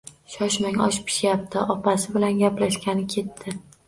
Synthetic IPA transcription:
ʃɒʃmɪŋɒʃpʰɪ̥ʃjap̚t̪ʰɪʔɒpʰasɪbɪlanɡʲaplaʃkʲanɪkʲʰe̞t̪ʰːɪ

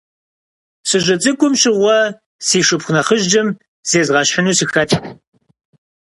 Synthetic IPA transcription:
sɨʒʷɐt͡sʼɨkʷʼʊmɕɪʁʷɔ | siːʂɨpxʷʊnɐχəʒd͡ʒɐm | z̥eːzʁɐɕħənuːsixɐtʰ

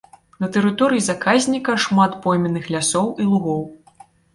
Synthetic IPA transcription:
nɐt̪ɛɾɨt̪ɔɾɨjizakʰazʲnʲikɐʂmat̪pɔjmʲɛnɨxlʲasɔwilˠuɣɔw

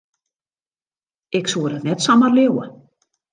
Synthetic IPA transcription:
ɛksɔɾat̪nɛt̪saːmaɾleːwa̰

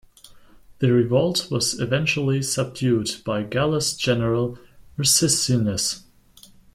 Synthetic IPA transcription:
ðɨɹɨvɔlˠtwʌzɨvɛ̃nt͡ʃl̩ˠisʌb̚djʉdb̥aɪɡælˠəsd̥ʒ̥ɛnə˞əlˠɹɨsɪstinɨs

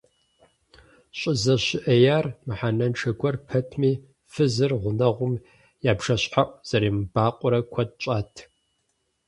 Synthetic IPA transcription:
ɕʼɪzɐɕɪʔɐjaːrmɨħanɐnʈ͡ʂʰɐɡʷɔrpʰɐtʰmiː | fɨzɨrʁʷʊnɐʁʷʊm | jaːbʂɐɕʼħaʔʷʼz̥ɐɾiːmbaːqʷʼʊɾɐkʷʰɐt̚t͡ʃʼaːtʰ

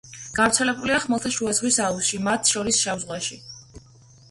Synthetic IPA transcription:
ɡ̥avɾt̪sʰɛlɛbuliaχmɛlˠt̪ʰaʃuazʁwisausʃimat̪ʰʃɔɾisʃavzʁwaʃi

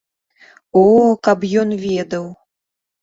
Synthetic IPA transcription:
ɔkɐpjɔnvʲɛd̪ɐw

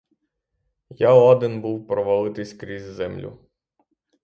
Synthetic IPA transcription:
jaɔd̪ɪnbuwpɾɔʋɐlˠɪt̪ɪsʲkɾʲizʲzɛmlʲʊ̰

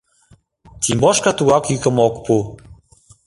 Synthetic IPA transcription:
t̪imboʃkat̪uɣɑkikə̆mokpu

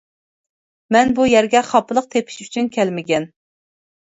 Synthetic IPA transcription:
mɛnbujɛɾɡʲɛχɑpʰːəlˠəq̚t̪ʰepʰɪ̥ʃyt͡ʃʰynkʲʰɛlmɪɡʲɛn

